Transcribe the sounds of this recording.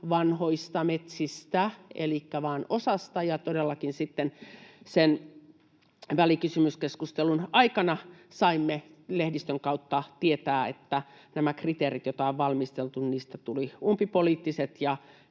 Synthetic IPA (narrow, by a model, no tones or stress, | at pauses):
ʋɑnhoist̪ɑmet̪sist̪æḛlikːæʋɑːnosɑst̪ɑjɑt̪odelːɑkinsit̪ːensen | ʋælikysymyskeskust̪elunɑikɑnɑ | sɑimːelehdist̪øŋkɑut̪ːɑt̪iet̪æːḛt̪ːæ | næmækrit̪eːrit̪jot̪ɑoʋʋɑlmist̪elt̪unniːst̪æt̪uliumpipoliːt̪ːiset̪jɑ